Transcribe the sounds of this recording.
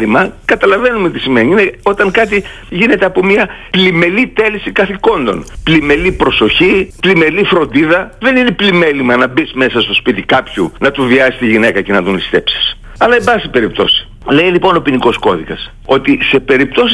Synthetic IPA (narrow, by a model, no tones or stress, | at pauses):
limɐkɐt̪ɐlɐve̞numeot̪isimeniineo̞t̪ɐŋkɐt̪i | ʝine̞t̪e̞ɐpo̞miɐ | lime̞lit̪e̞lisikɐθiko̞nd̪o̞̰nplime̞lipɾo̞so̞çiplime̞lifɾo̞nd̪iðɐðe̞nine̞plime̞limɐnɐbisme̞sɐst̪o̞spit̪ikɐpçunɐt̪uviɐist̪iʝine̞kɐce̞nɐðunt̪i̥st̪e̞psi̥s | ɐlɐebɐsipe̞ɾip̚t̪o̞si̥ | le̞ilipo̞no̞piniko̞sko̞ðikɐs | o̞t̪ise̞pe̞ɾipt̪o̞si